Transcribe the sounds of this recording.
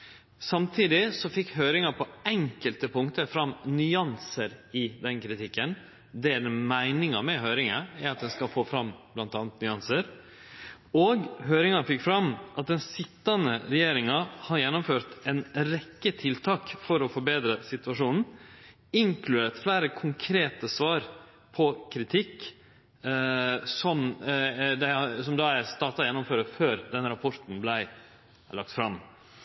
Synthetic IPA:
sɑmt̪ʰiːd̪ɪsɔfɪkɦœːɾɪŋɑpʰɔɛŋkəlt̪əpʰʊŋt̪əfɾɑmnʏɑnsəɾɪd̪ɛnkʰɾɪt̪ʰɪkːən | d̪ɛd̪ɛmæɪnɪŋɑmɛɦœːɾɪŋɑæɾɑt̪̚d̪ɛnskɑfoːfɾɑmb̥lɑnt̪ɑːnət̪nʏɑnsəɾ | oɡɦøːɾɪŋɑfɪkːfɾɑmʔɑt̪̚d̪ɛnsɪt̪ːɑnəɾɛjeːɾɪŋɑhɑjɛnːʊmføːɾt̪ɛnɾɛkːət̪ʰɪlt̪ʰɑːkfɔɾɔfɔɾbeːd̪ɾəsɪt̪ʉɑʂuːnn̩ | ɪŋklʉd̪eːt̪flæːɾəkʰʊŋkʰɾeːt̪əsʋɑːɾ | pʰɔkʰɾɪt̪ʰɪkː | sɔm | d̪æsɔmd̪ɑæst̪ɑːt̪ɑjɛnːʊmføːɾəføːɾd̪ɛnɾɑpʰɔɾt̪n̩blæɪ | lɑk̚t̪fɾɑm

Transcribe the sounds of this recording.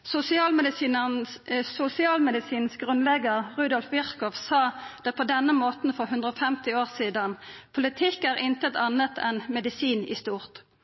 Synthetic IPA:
sʊsɪɑːlmd̪iː | sʊsɪɑːlmɛd̪ɪsiːnsɡʁʉnlɛɡəʁʁʉːd̪ɔlfʋɪʁkɔʋsɑːd̪̥ɛt̪̚pʰɔd̪ɛnːəmoːt̪n̩fɔʁɦʉnd̪ʁəɔfɛmt̪ɪoːʁsiːd̪ɑnpʰʊlɪt̪ʰɪkːæːʁʔɪnt̪ət̪ɑnət̪ʰɛnmɛd̪ɪsiːnɪ̰st̪uːʁt̪

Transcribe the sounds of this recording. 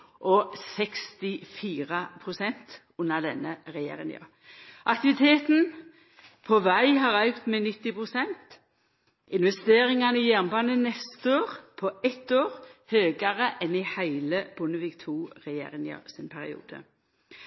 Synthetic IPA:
ʔɔsɛkst̪ɪfiːʁəpʰʁʊsɛnt̪ | ʊnːəʁd̪ɛnːəʁɛjḛːɾɪ̰ŋɑ̰ | ʔɑkt̪ɪʋɪt̪ʰeːt̪n̩ | pʰɔʋæɪɦɑʁœʉkt̪mɛnɪt̪ːɪpʁʊsɛnt̪ | ɪnʋɛst̪eːʁɪŋɑnəɪjæːʁnbɑːnənɛst̪əoːʁpʰɔɛt̪ːoːʁhøːɡɑʁəʔɛnɪhæɪləb̥ʊnəʋiːkt̪ʰuːʁɛjḛːɾɪŋɑ̰sɪnpʰæʁɪ̰ṵːd̪̥ə̰

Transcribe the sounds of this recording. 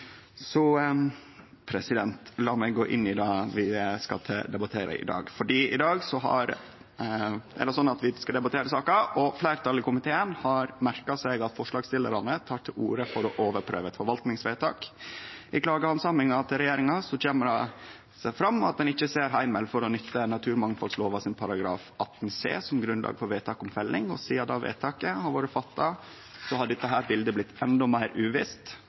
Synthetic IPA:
sɔ | pʰɾɛsɪd̪ɛnt̪lɑːmɛɪɡoːʔɪ̰nːɪd̪ɑːʋɪskɑt̪ʰɛd̪ɛbɑt̪ʰeːɾə̰ʔɪ̰d̪ɑ̰ːɡfɔɖiːɪ̰d̪ɑːɡsɔɦɑ̰ɾ | ɛ̰ɖɛsɔnːɑt̪ʋɪskɑd̪ɛbɑt̪ʰeːɾəsɑːkɑʔɔflæɪɾt̪ʰɑlɪkʊmɪt̪ʰeːənhɑɾmæɾkɑsɛɪɡɑt̪fɔʂlɑːɡst̪ɪləɾɑnət̪ʰɑːʈʰɪlṵːɾəfɔɾɔʔoːʋəɾpʰɾø̰ːʋɛt̪fɔɾʋɑlt̪nɪŋsʋeːt̪ʰɑ̰ːkʔɪkʰlɑːɡəhɑnsɑmɪŋɑt̪ʰːɪlɾɛjeːɾɪŋɑsɔc͡çeːməɾɑ | sæfɾɑmːɑ̰t̪̚d̪ɛnɪçːəseːɾɦæɪməlfɔɾɔnʏt̪ʰːənːɑt̪ʰʉːɾmɑŋfɑlsloːʋɑsɪnpʰɑɾɑɡɾɑ̰ːfɑt̪ːn̩sḛːsɔmɡɾʉnlʔɑ̰ːɡfɔɾʋeːt̪ʰɑːkɔmfɛlːɪŋɔ̰siːɑd̪ɑ̰ʋḛːt̪ʰɑːkəhɑɾʋoːɾəfɑt̪ːɑ | sɔhɑɖɪt̪ːəɦæːɾbɪld̪əblɪt̪ʰːɛnd̪ɔmæɪɾʉːʋɪst̪

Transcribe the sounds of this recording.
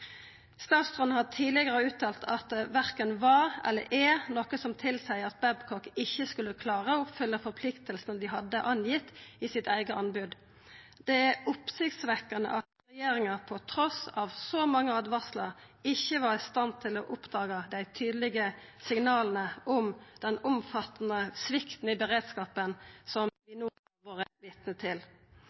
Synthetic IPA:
st̪ɑːt̪st̪ʁɔnhɑt̪ʰiːlɪɡəʁəʉːt̪ʰɑːlt̪ʰɑt̪ʋæʁkənʋɑʁɛ̰lːə̰ɾʔɛʁnɔkəsɔmt̪ʰɪlsæɪɑt̪̚bɛbkʰɔkɪçːəskʉləkʰlɑːʁəʊpfʏlːəfɔʁpʰlɪkt̪əlsənd̪ɪɦɑd̪ːəʔɑnjɪt̪ːɪsɪt̪æɪɡəʔɑnbʉd̪ | d̪̥ɛæʊpsɪɡt̪sʋɛkːɑnə̰ʔɑt̪ɾɛjeːɾɪŋɑpʰɔt̪ʰɾɔsɑʋsɔmɑŋːəɑd̪ʋæsləɾ | ɪçːəʋɑʁɪst̪ɑnt̪ʰɪlɔːʔʊpd̪ɑːɡəd̪æɪt̪ʰyːd̪lɪɡə | sɪŋnɑːln̩əɔmd̪̥ɛnʊmfɑt̪ːnəsʋɪkt̪n̩ɪbəʁeːd̪skɑːpənsɔmʋɪnuː | ʋoːʁəʋɪt̪nət̪ʰɪl

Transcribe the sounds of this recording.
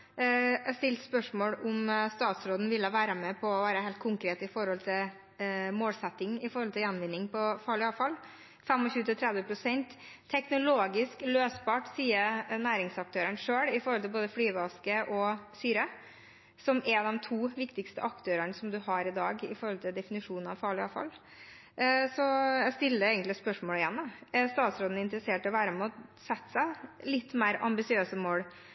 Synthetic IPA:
ɛst̪ɪlt̪spœʂmoːɽʊmst̪ɑːt̪sɾoːd̪n̩ʋɪlːəʋæːɾəmɛpʰɔɔʋæːɾəhɛɪlt̪̚kʰʊŋkɾeːt̪ɪfɔɾhɔlt̪ʰɪl | moːlsɛt̪ːɪŋɪfɔɾhɔlt̪ʰɪljɛnʋɪnːɪŋpʰɔfɑːɭɪɑfɑlː | fɛmɔɕʉːt̪ɪt̪ʰɾɛd̪ʋəpʰɾʊsɛnt̪ʰː | ɛknʊloːɡɪskløːsbɑːʈsiːənæːɾɪŋsɑk̚t̪ʰøːɾəɳʂøːɽɪfɔɾɔlt̪ʰɪlboːd̪əflyːʋɑskəʔɔsyːɾə | sɔmɛd̪ɛmt̪ʰuːʋɪkt̪ɪkst̪əʔɑkt̪ʰøːɾəɳsɔmd̪ʉhɑɾɪd̪ɑːɡɪ̰fɔɾhɔlt̪ʰɪld̪ɛfɪnɪʂuːnnɑ̰ʋfɑːɭɪɑ̰lfɑ̰lː | sɔjæst̪ɪlːəɾeːɡənt̪lɪspœʂmoːlɪjɛnːəæst̪ɑːt̪sɾoːd̪n̩ɪnt̪əɾəseːʈɪɔʋæːɾəmɛɔsɛt̪ːsæɪlɪt̪ːmæɪɾɑ̰mbɪsɪøːsəmoːɽ

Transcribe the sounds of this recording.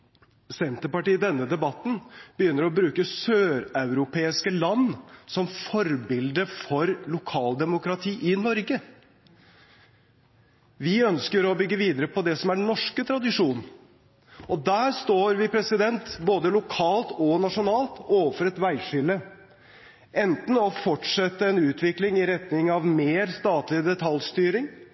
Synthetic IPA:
sɛnt̪əpɑʈiːd̪ɛnːəd̪ɛbɑt̪nb̥əjʏnːəɾɔbɾʉːkəsøːɾɑʉɾʊpʰeːɪskəlɑnːsɔmfɔɾbɪld̪əfɔɾlʊkʰɑːld̪ɛmʊkɾɑt̪ʰiːʔɪnɔɾɡə | ʋɪœnskəɾɔbʏɡːəʋiːd̪əɾəpʰɔd̪ɛsɔmæɖnɔʂkət̪ʰɾɑd̪ɪʂuːn | ɔd̪æːɾst̪oːɾʋɪpʰɾɛsɪd̪ɛnt̪boːd̪əlʊkʰɑːlt̪ɔnɑʂʊnɑːlt̪oːʋəfɔɾɛt̪ʋæɪʂʏlə | ʔɛnt̪n̩ɔfɔʈʂɛt̪ːəɛnʉːt̪ʰʋɪklɪŋɪɾɛt̪nɪŋɑʋmeːɾst̪ɑːt̪lɪd̪ɛt̪ʰɑlst̪yːɾɪŋ

